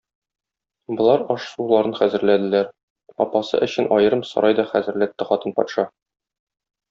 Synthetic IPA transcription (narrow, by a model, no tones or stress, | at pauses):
bŏlˠɑɾɒʃsulˠɑɾɤnχæzɘ̆ɾlæd̪ɘ̆læɾ | ɒ̰pɑsɤ̰ʔɵ̆ɕɘnʔɒjɤ̆ɾɤmsɒ̰ɾʔɑjd̪ɒχæzɘ̆ɾlæt̪ːɘχɒt̪ɤnpɒ̰t̪ʃɑ